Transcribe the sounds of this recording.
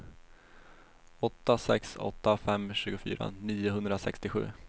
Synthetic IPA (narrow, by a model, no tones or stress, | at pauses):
ɔt̪ːasɛ̰ksɔ̰t̪ːafɛmːɕʉ̟ːɡʊfy̰ːɾa̰niːʊɦɵnd̪ɾasɛkst̪ɪɧʉ̟ː